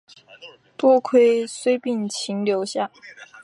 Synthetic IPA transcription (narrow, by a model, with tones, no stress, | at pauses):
t̪wɔ˥˧kʰwe˥ɪswe˥ɪpi˥˩ŋt͡ɕʰi˧˥ŋljo˧˥ʊɕja˥˩